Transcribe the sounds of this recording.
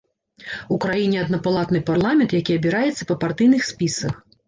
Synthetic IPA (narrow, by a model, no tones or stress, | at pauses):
ukɾajinʲɛɐd̪nɐpalˠat̪nɨparlˠamʲɛnt̪jakʲiɐbʲiɾajɛt̪sːɐpɐpart̪ɨjnɨxsʲpʲisɐx